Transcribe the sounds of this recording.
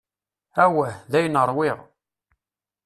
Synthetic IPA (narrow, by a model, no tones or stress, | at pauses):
æwæhðæjənəɾˤwɪʁ